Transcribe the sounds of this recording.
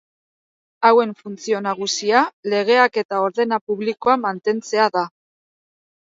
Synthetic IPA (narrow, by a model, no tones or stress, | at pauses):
awe̞ɱfunt͡sio̞naɣ̞usiale̞ɣ̞e̞ake̞t̪ao̞ɾðe̞napuβliko̞amant̪e̞nt͡se̞aða